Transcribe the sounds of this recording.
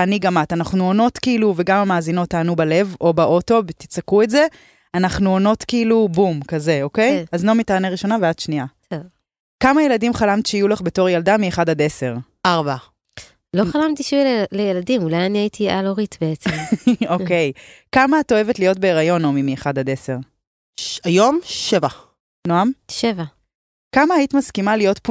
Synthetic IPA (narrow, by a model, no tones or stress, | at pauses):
aniɡamatanaχnuono̞tkiluve̞ɡamamaːzino̞t̪ːaːnubale̞vo̞baʔo̞to̞bt̪it͡sakuetze̞ | anaχnuono̞tkiilubumkaze̞oke̞jazlo̞mitaːnaʁiʃo̞navead̪̥ʃnia | ev | kamaje̞ladimχalamt̪i̥ʃeijulaχbe̞to̞ʁjaldamieχadad̪e̞se̞ʁʔaʁba | loχalamt̪iʃvilejeladimulajaniaitʰia̰loʁitbeet͡so̞kejkamaːto̞e̞vetlijot̚be̞ːʁajo̞nomimieχadad̪e̞se̞ʁ | ajo̞mʃeva | noamʃeva | kamaːitimaskimalijo̞tp